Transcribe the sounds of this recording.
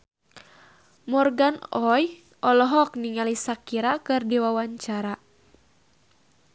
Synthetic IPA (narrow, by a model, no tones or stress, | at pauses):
mɔrɡanɔj | ʔɔlɔɦɔk̚niŋalisakiɾakɨrdiwawaɲt͡ʃaɾa